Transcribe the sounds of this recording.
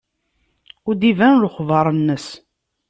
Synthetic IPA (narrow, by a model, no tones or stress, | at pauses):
ʊɾd̪ivænlχvɑɾˤənːəs